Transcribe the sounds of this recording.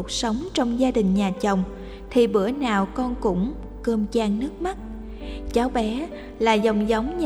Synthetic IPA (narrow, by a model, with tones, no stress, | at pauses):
k̚sə˨˦wŋ͡mt͡ɕɔ˧wŋ͡mzaː˧ɗï˨˩ŋ̟ɲaː˨˩t͡ɕə˨˩wŋ͡m | t̪ʰi˨˩ɓɨ̰˧˩ənaː˨˩wkɔ˧nkʊ̰˧˥ŋ͡m | kəː˧mt͡ɕaː˧ŋnɨ˦˥ək̚ma˦˥t̚ | t͡ɕaː˨˦wɓɛ˨˦ | laː˨˩zə˨˩wŋ͡mzə˨˦wŋ͡mɲ